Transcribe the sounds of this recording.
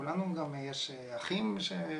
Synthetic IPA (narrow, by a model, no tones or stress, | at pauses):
ulanuɡamjeʃeaχimʃe